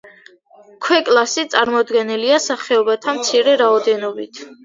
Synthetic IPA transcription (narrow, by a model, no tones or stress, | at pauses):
kʰwɛkʼlˠasit̪sʼaɾmɔd̪ɡɛniliasaχɛɔbat̪ʰamt̪sʰiɾɛɾaɔd̪ɛnɔbit̪ʰ